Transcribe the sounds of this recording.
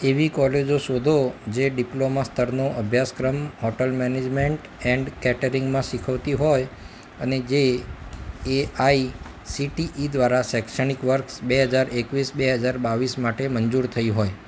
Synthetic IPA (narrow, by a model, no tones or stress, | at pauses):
eʋikɔled͡ʒoʃod̪ʱod͡ʒeɖiplomast̪ʰəɾnoʔəbʱjaskɾəmhɔʈəlmɛned͡ʒmeɳʈ | ɛɳɖkɛʈəɾiŋɡmãʃikʰəʋt̪iɦoj | əned͡ʒe | eai | siʈiʔid̪ʋaɾasɛkʃənikʋəɾksbeɦəd͡ʒaɾekʋisbeɦəd͡ʒaɾbaʋismaʈemənd͡ʒuɾt̪ʰəiɦoj